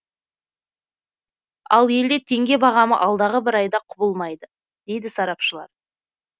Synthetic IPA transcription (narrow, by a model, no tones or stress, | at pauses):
ɑ̰lˠje̞ld̪et̪ʰe̞ŋɡʲe̞bɑʁɑmə̰ʔɑlˠd̪ɑʁəbɪɾɑjd̪ɑqʰʊbəlˠmɑjd̪ə | d̪̥e̞jd̪ɪsɑɾɑpʃəlˠɑ̰ɾ